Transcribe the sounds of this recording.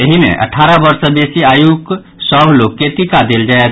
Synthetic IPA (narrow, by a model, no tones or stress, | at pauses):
eɦimḛ̃ʔə̰ʈʰaɾəbəɾsəbesiajuk | səbʱlokːet̪ikad̪eld͡ʒaet̪